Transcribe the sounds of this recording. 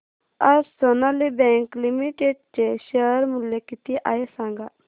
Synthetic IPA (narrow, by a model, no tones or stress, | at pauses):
asonalibɛ̃ŋklimiʈeɖ̚t͡ʃeʃəɾmuljekit̪iʔaesãŋɡa